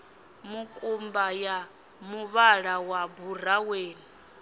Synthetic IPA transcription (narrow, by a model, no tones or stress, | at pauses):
mukʼumbaja | muβaɺawabur̤aweːni